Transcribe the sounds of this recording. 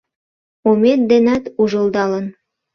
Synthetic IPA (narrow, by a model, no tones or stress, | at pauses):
omet̪̚d̪enæt̪uʒə̆lˠd̪ɑlən